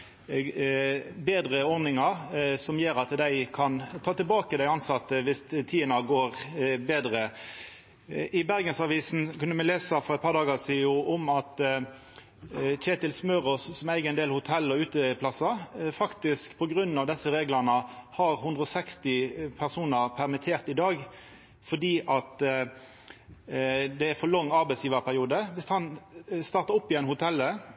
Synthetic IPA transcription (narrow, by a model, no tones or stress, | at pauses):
beːd̪ʁəɔɾnɪŋɑɾsɔmjeːɾɑt̪d̪æɪkʰɑnt̪ʰɑːt̪ɪlbɑːkəd̪æɪɑnsɑt̪ːəʋɪst̪ʰiːənɑɡoːɾbeːd̪ʁə | ʔɪbæʁɡənsɑʋiːsn̩kʰʉnːəmɛleːsɑfɔɾʁɛɪt̪pɑːɾd̪ɑːɡɑsiːjʊʔɔmɑt̪ | c͡çeːt̪ɪlsmœːɾɔssɔmæɪɡəɛneːlhʊt̪ʰɛlːɔʉːt̪əpʰlɑsɑfɑkt̪ɪskpʰɔɡʁʉnːɑʋd̪ɛsːəʁeːɡlənəhɑʁhʉnd̪ʁəɔsɛkst̪ɪpʰæʁsuːnəʁpʰæʁmɪt̪ʰeːʁt̪ɪd̪ɑːɡ | fɔd̪iːʔɑt̪ | d̪ɛæfɔʁlɔŋːɑɾbɛɪsjiːʋəʁpʰæʁɪuːd̪əʋɪst̪hɑnst̪ɑːʁt̪əɔpːɪɛnhʊt̪ʰɛlːə